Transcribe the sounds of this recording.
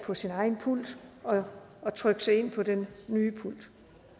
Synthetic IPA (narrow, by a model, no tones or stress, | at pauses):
pʰɒ̽sinɑ̈ɪn̩pʰul̰d̥ɒ̽ː | t͡sʰʁœɡ̥sɑ̈ɪe̝n̰pʰɒ̽d̥enːyːpʰul̰d̥